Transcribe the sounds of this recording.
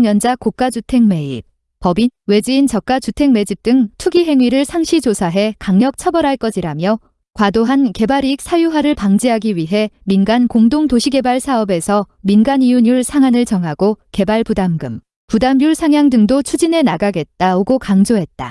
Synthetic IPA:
ŋjʌnd͡ʑakok͈ad͡ʑutʰe̞ŋme̞ḭp̚ | pʌbinwe̞d͡ʑiint͡ɕʌk͈at͡ɕutʰe̞ŋme̞d͡ʑip̚t͈ɯŋtʰuɡiɦe̞ŋɥiɾɯɭsʰaŋɕʰid͡ʑosʰaɦe̞kaŋɲʌk̚t͡ɕʰʌbʌɾɦaɭk͈ʌd͡ʑiɾamjʌ | kwadoɦanke̞baɾik̚sʰajuɦwaɾɯɭpaŋd͡ʑiɦaɡiwɥiɦe̞minɡankoŋdoŋtoɕʰiɡe̞baɭsʰaʌbe̞sʰʌ | minɡaniuɲjuɭsʰaŋɦanɯɭt͡ɕʌŋɦaɡ̥oke̞baɭpudamɡɯm | pudamjuɭsʰaŋjaŋdɯŋdot͡ɕʰud͡ʑine̞naɡaɡe̞t̚t͈aoɡokaŋd͡ʑoɦe̞t̚t͈a̰

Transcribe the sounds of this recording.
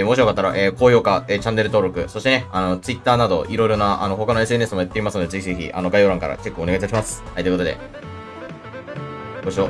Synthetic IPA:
mo̞ɕiokat̪ːaɾaʔeːko̞ːço̞ːkaeːt͡ɕãnːe̞ɾɯ̟t̪o̞ːɾo̞kɯ̟so̞ɕi̥t̪e̞neano̞t͡sɨit̪ːaːnad̪o̞ʔiɾo̞iɾo̞naʔano̞ɦo̞kano̞e̞s̬ɨe̞nesɨmojat̪ːeimasɨno̞d̪e̞zeçizeçʲḭʔano̞ɡaio̞ɾãŋka̰ɾa̰t͡ɕe̞kːɯone̞ɡait̪aɕimasɨ̥hajt̪oɯk̪o̞d̪e̞̰ | ɡoɕio

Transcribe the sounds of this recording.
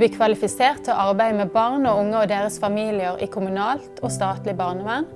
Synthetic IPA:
liːkʰʋɑlɪfɪseːʁt̪ʰoːʔɑʁbæɪmɛbɑʁnoːʊŋəoːd̪eːʁəsfɑmiːlɪəʁḭːkʰʊmʉnɑːlt̪ʰoːst̪ɑːt̪lɪbɑːʁnəʋæn

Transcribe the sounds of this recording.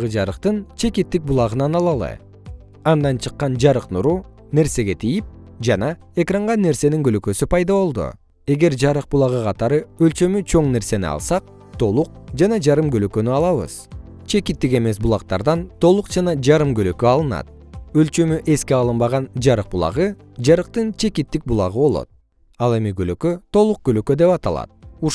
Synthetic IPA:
ʁɯd͡ʒɑɾɯqt̪ɯnt͡ʃʰe̞kit̪ːik̚bulˠɑʁɯnɑnɑlˠɑlˠɯ̰ | ɑnd̪ɑnt͡ʃʰɯqːɑnd͡ʒɑɾɯqnuɾu | ne̞ɾse̞ɡe̞t̪ʰijip̚ | d͡ʒɑnɑ | e̞krɑɴʁɑnːe̞ɾse̞niŋɡølø̞kø̞sypɑjd̪ɑβo̞lˠd̪ṵ | e̞ɡe̞ɾd͡ʒɑɾɯq̚bulˠɑʁɯqʰɑt̪ɑɾɯølt͡ʃø̞myt͡ʃʰo̞ɴne̞ɾse̞nḭɑ̰lˠsɑq̚ | t̪ʰo̞lˠuq̚d͡ʒɑnɑd͡ʒɑɾɯmɡøløkø̞nyɑlˠɑβɯ̰z̥ | t͡ʃʰe̞kit̪ːike̞me̞sbulˠɑq̚t̪ɑ̰ɾd̪ɑnt̪ʰo̞lˠuqd͡ʒɑnɑd͡ʒɑɾɯmɡølø̞køɑlˠɯnɑ̰t̪̚ | ø̞lt͡ʃø̞myʔe̞skeɑlˠɯmbɑʁɑnd͡ʒɑɾɯq̚bulˠɑ̰ʁɯ | d͡ʒɑɾɯqt̪ɯnt͡ʃʰe̞kit̪ːik̚bulˠɑ̰ʁɯβo̞lˠo̞̰t̪̚ | ɑlˠe̞miɡølø̞køt̪ʰo̞lˠuq̚ɡøløkø̞d̪e̞pɑt̪ɑlˠɑ̰t̪̚u

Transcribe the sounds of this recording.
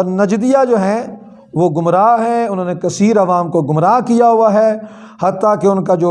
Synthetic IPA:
ɔːɾnɐd͡ʒd̪ijad͡ʒoːɦɛ̃ | ʋoɡʊmɾaːɦɛʊnɦoːnekɐsiːɾɐʋaːmkoɡʊmɾaːɦkijaɦʊaɦɛː | hɐt̪ːakeʊnkad͡ʒoː

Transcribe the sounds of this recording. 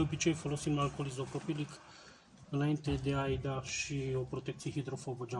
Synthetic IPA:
əpit͡ʃejfolosimalkolizopɾopilik | naint̪ed̪eajd̪aʃiopɾot̪ɛk̚t̪sixid̪ɾofobod͡ʒa

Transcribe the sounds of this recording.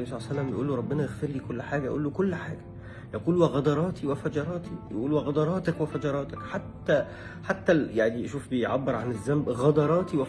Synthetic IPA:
bisˤɑlsælːæmbjʔuːlːoɾˤɑbːenɑjeɣfɪɾliːkolːħaːɡæj̰ʔṵːlːokʊlːħaːɡæ̥ | jɑquːlweɣɑd̪ɑɾˤɑːt̪ʰiwefæd͡ʒɑɾˤɑːt̪ʰijḛʔuːlwæɣɑd̪ˤɑɾˤɑːt̪ækwefæd͡ʒɑɾˤɑːt̪ɪkħat̪ːæ | ħat̪ːæjaʕniʃuːfbejʕabːeɾˤʕanɪzːæmbɣɑd̪ɑɾˤɑːt̪iwe

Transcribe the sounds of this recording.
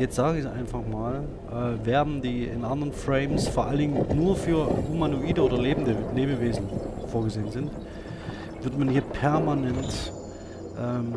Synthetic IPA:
jɛt͡stz̥aːɡəɪçʔa̰ɪnfaχmaːl | ʔɛːveːɐdn̩diːɪ̰nʔandəʁənfʁ̥ɛɪmsfoːɐʔalədɪŋənnuːɐfyːɐhumanoʔiːdəʔoːdɐleːbm̩dəleːbəveːzn̩foːɐɡəzeːənzɪnt | vɪɐtmanhiːɐpʰɛɐmanɛnt | ʔɛːm

